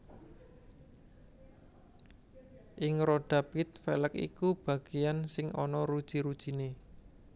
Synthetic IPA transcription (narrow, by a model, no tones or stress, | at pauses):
ʔɪŋɾoɖ̥a̤bɪt̪̚feləkḭkub̥a̤ɡ̥e̤jansɪŋɔ̰nɔɾud̥ʒ̥i̤ɾud̥ʒ̥i̤ne